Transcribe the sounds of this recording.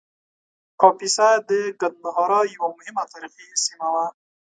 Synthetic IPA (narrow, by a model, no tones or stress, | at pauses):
kɔpisad̪əɡad̪̚naɦɔɾɔjawamʊhɪmat̪aɾixisimawa